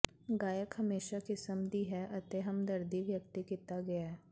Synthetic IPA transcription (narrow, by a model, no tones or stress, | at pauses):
ɡaːjəkɦɐmeːʃakɪsəmd̪iɦɛʔɐt̪eɦɐmd̪ɐɾd̪iʋjək̚t̪ikɪt̪aɡɐjaɦɛː